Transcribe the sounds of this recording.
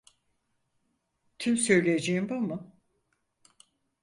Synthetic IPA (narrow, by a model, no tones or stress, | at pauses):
t̪ʰymsø̞jlʲejed͡ʒejimbamu